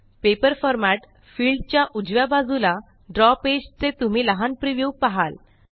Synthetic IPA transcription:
pepəɾfɔɾmaʈ | fiːlɖt͡ɕjaʔud͡ʑʋjabad͡zula | ɖɾɔped͡ʑt͡set̪um̤iːləɦanpɾiʋjupaɦal

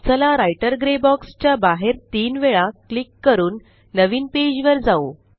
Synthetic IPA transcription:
t͡səlaɾajʈəɾɡɾebɔkst͡ɕjabaɦeɾt̪iːnʋeɭaklikːəɾuːnː | əʋiːnped͡ʑʋəɾd͡zao

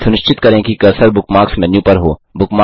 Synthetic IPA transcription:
sʊnɪʃt͡ʃɪt̪kɐɾẽːkikɐɾsəɾbʊkmaːksmɛ̃njũːpɐɾɦoːbʊkma

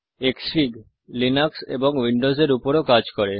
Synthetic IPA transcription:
eksfiɡ | linɔksḛbɔŋwiɳɖozeɾupɔɾokad͡ʒkɔɾe

